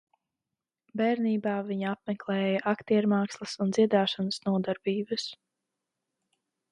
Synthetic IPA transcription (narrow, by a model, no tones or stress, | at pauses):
bɛɾniːbaːviɲapmɛklˠɛːjɐʔakt̪iɛɾmaːkslˠɐsund̪z̥ʲiɛd̪aːʃanəsnuɔd̪aɾbiːbɨs